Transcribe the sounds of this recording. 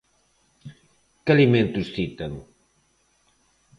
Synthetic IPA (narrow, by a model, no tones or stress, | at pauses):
kaliment̪usθit̪ɐŋ